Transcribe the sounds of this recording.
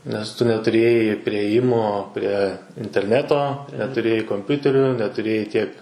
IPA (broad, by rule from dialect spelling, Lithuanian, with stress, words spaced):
nʲɛs ˈtʊ nʲɛtʊˈrʲeːjɛɪ pʲrʲɪeːˈjɪmoː pʲrʲɛ ɪnʲtʲɛrʲˈnʲæːtoː nʲɛtʊˈrʲeːjɛɪ koːmʲˈpʲʊtʲɛrʲʊ nʲɛtʊˈrʲeːjɛɪ tʲiɛk